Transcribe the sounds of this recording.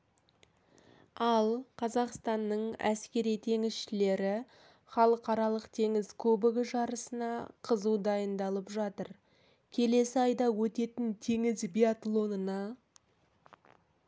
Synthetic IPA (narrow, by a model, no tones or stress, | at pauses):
ɑlˠqʰɑzɑqst̪ɑnːəɴæ̰skʲe̞ɾijt̪ʰe̞ŋɪsʃɪle̞ɾɪ | χɑlˠəqɑɾɑlˠəqt̪ʰe̞ŋɪzkʰɵbɪɡʲɪʒɑɾəsənɑqʰəzuwd̪ɑjənd̪ɑlˠəpʒɑt̪əɾ | kʲʰe̞le̞sɪɑjd̪ɑwɵt̪e̞t̪ɪnt̪ʰe̞ŋɪzbijat̪lˠo̞nənɑ